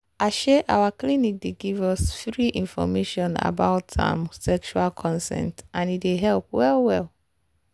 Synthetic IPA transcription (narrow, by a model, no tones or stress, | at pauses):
aɪʃɛʔawaklinik̚deɡivɔsfɹiʔĩnfɔ̰meʃɔ̃na̰baʊtʰa̰msɛkʃualkʰɔ̃nsɛ̰̃ntãnideɦɛlp̚wɛlwɛl